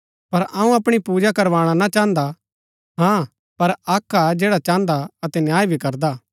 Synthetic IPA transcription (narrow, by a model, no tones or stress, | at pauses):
pɐɾaːũɐpɽ̃ipuːd͡ʒakɐɾʋaːɽ̃anat͡ʃãːnd̪a | ɦã | pɐɾaːkʰːad͡ʒɛːɽat͡ʃãːnd̪aɐt̪ɛnjaːjbʱikɐɾd̪a